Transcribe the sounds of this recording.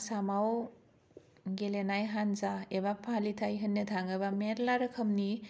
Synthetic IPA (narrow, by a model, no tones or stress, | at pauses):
samaw | ɡelenajɦanzaebapʰalitʰajɦɯnːɐtʰaŋɯbameɾlaɾɯkʰəmni